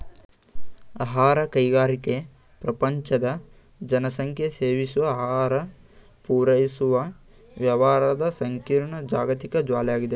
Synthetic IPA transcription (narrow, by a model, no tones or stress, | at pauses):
aɦaːɾɐkɐjɡaːɾike | pɾɐpɐɲt͡ʃɐd̪ɐ | d͡ʒɐnɐsɐŋkʰjɐseːʋisuʋɐːɦaːɾɐ | puːɾɐjisuʋɐ | ʋjɐʋaːɾɐd̪ɐsɐŋkiːɾɳɐd͡ʒaːɡɐt̪ikɐd͡ʒʋaːlɛjaːɡid̪e